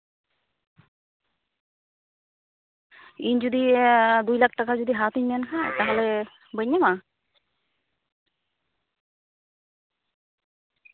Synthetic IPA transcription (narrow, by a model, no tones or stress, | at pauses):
iɲd͡ʒud̪id̪ujlak̚takad͡ʒud̪iɦat̪iɲmankʰat̪aɦɛlɛ | bəɲama